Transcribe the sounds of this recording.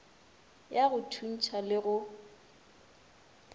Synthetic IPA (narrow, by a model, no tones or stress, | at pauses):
jaɣʊtʰun̩t͡ʃʰalɪɣʊ